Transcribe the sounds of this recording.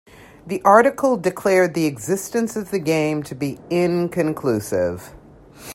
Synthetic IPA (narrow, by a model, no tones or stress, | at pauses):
ðiʔɑɹɾɨkl̩ˠdɨkʰl̥ɛɹd̪̚ðiɨɡzɪstɨ̃nsʌvðɨɡẽɪ̃mtʰɨbiɪ̃nkʰɨ̃nkʰl̥ʉsɪ̰v̥